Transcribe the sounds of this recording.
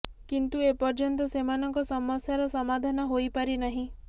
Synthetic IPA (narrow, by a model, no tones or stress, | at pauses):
kint̪uepɔɾd͡ʒɔnt̪̬ɔsemanɔŋkɔsɔmɔsjaɾɔsɔmad̪ʱanɔɦojpaɾinaɦĩ